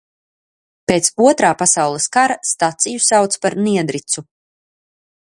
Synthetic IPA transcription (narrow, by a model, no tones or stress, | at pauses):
peːt̪suɔt̪ɾaːpasawlˠəskaɾast̪at̪sijusawt̪spaɾniɛd̪ɾit̪su